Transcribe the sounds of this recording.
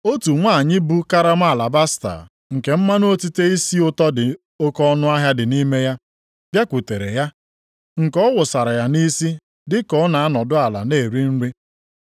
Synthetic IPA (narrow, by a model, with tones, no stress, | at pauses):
o˦tu˨ŋʷa˦˨ɲɪ˦bu˦ka˦ɾa˦m˦a˦˨la˨ba˦sta̰˨ | ŋ̩˨ke˨m̩˦ma˦no˦o˦ti˦te˦i˦si˦ʊ˦tɔ˦dɪ˨ | o˦kɔ˦nʊ˦a˦ɦja˦dɪ˨ni˦me˦ja˦ | bja˦kʷu˨te˨ɾḛ˨ja˦ | ŋ̩˨kɔ˦wʊ˨sa˨ɾa˨ja˨ni˦si˦ | dɪ˦kɔ˨˦na˨a˦nɔ˨dʊ˦a˨la̰˨ne˦˨ɾi˦n̩˦ɾi˦